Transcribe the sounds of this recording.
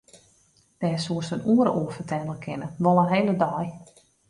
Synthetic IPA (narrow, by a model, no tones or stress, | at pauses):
d̥ɛːsuəsənuəɾəʔuəfətʰɛdəlˠkʰɪnəʋolˠənɦeːlədɔj